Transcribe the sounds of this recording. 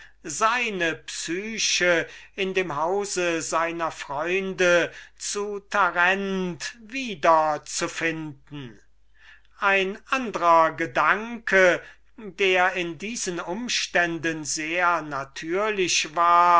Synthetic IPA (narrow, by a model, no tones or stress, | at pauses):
zaɪnəpsyːʃəɪndeːmɦaʊzəzaɪnɐfʁ̥ɔʏndət͡sutʰaʁɛntviːdɐt͡sufɪndn̩ | ʔaɪnʔandəʁɐɡədaŋkʰə | deːɐɪndiːzənʊmʃtɛndənzeːɐnatʰyːɐlɪɕvaːɐ